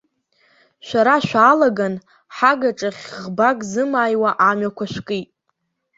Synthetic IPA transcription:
ʃʷaɾaʃᶣʷaːlaɡan | ħaɡaʈ͡ʂʼaχʲʁbakʼzɨmaːjwaʔamɥakʷʰaʃᶣʷkʼitʼ

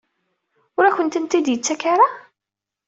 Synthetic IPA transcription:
ʊɾæçənt̪ənt̪id̪jət͡sːækaɾa

